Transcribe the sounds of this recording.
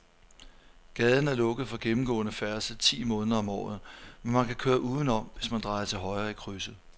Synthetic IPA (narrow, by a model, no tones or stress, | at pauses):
ɡ̥ɛːðˠn̩æɐlɔ̽ɡ̥ð̞̩ˠfɒ̽ɡ̥emm̩ɡ̥ɔ̰̽ːnəfæɐsət͡sʰḭːmɔ̽ːnðˠɐɒ̽mɒ̰ːð̞̩ˠmenmænkʰækʰøːɐʔuːð̞ˠn̩ɒ̽mʋe̝smænd̥ʁɑ̈ɪɐt͡sʰe̝lɦɒ̽ɪɐːikʰʁysə